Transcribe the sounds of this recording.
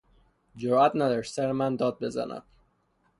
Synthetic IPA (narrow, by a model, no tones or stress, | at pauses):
d͡ʒoɾæt̪næd̪ɒɾsæɾemænd̪ɒːd̪̚be̞zæ̰næ̰d̪̥̚